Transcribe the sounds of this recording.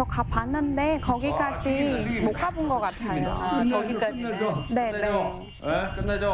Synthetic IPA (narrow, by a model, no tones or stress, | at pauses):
okapʰanːɯnde̞kʌɡik͈ad͡ʑimok͈abunɡʌk͈atʰajoo̰t͡ɕʌɡik͈ad͡ʑine̞ne